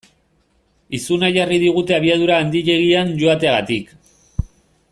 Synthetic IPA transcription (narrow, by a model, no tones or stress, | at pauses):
isunaʝariðiɣ̞ut̪e̞aβ̞iað̞uɾaːnd̪iʎe̞ɣianʝo̞at̪e̞aɣat̪ik